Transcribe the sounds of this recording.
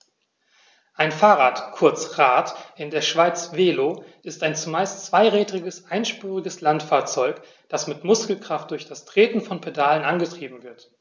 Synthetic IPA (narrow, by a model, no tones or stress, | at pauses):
ʔaɪnfaːʁaːtkʰʊɐt͡sʁaːtʔɪndeːɐʃv̥aɪt͡sveːloːʔɪstaɪnt͡sumaɪstt͡sv̥aɪʁɛːdʁɪɡəsʔaɪnʃpyːʁɪɡəslantfaːɐt͡sɔʏk | d̥asmɪtmʊskl̩kʁ̥aft̚d̥ʊɐçd̥astʁ̥eːtn̩fɔnpʰedaːlənʔanɡətʁ̥iːbm̩vɪɐt